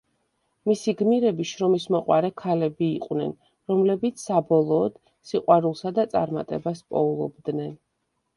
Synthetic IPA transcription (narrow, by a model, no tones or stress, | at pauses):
misiɡmiɾɛbiʃɾɔmismɔqʼwaɾɛkʰalɛbiːqʼwnɛ̰n | ɾɔmlɛbit̪sʰsabɔlˠɔːd̪̥ | siqʼwaɾulˠsad̪at̪sʼa̰ɾma̰t̪ʼɛbaspʼɔulˠɔ̰bd̪nɛn